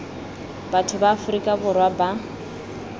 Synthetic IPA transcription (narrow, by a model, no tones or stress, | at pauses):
batʰʊbaːfʊrikʼabʊrwaba